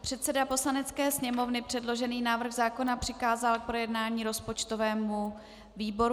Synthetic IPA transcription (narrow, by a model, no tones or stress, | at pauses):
pr̝̥ɛt̪sɛdapo̞slanɛt͡skɛːsɲɛmo̞vnɪpr̝̥ɛdlo̞ʒɛniːnaːvr̩xzaːko̞napr̝̥ɪkaːzalk̚pɾo̞jɛdnaːɲiːɾo̞spot͡ʃt̪o̞vɛːmu | viːbo̞ɾ